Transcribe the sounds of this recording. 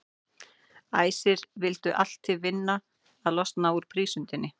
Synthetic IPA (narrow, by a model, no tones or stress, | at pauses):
aːjsɪɾvɪlt̪ʏʔal̥t̪ʰːɪðvɪnːa | aðlɔst̪naːwuɾ̥pʰɾiːsʏnt̪ɪnːɪ